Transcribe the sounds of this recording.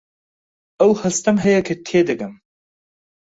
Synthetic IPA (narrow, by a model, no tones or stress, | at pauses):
ɐwhɐst̪ɐmɦɐjɐkʰɐt̪ʰed̪ɐɡɐm